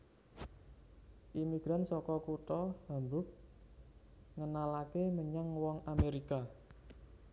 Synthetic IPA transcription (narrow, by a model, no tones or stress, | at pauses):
ʔimiɡ̥ɾansɔkɔkut̪ɔhambʊk̚ | ŋənalakeməɲaŋwɔŋameɾika